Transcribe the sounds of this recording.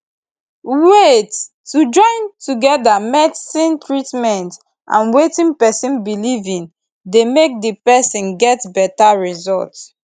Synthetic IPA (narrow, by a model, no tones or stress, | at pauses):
wetː | ud͡ʒɔ̃ɪ̃ntuɡɛdamɛdsĩntɹitmɛ̃nt | ʔã̰nwetĩnpɛsĩnbilivĩn | demek̚dipɛsĩnɡɛtbɛtaɹizɔ̰lts